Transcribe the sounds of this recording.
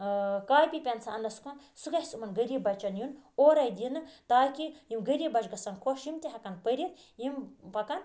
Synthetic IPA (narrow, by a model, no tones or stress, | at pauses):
kaːjpʲipʲɐnt͡sʰaɐnlɐsu̥kɐn | suɡɐhʲsumɐnɡɐɾʲibɐt͡ʃɐnjunoːɾɐjd̪inɨt̪aːkijimɡɐɾibɐt͡ʃɡɐsɐnkʰoʃjimt̪iɦɐkɐnpɐɾʲit̪ | jimpɐkɐn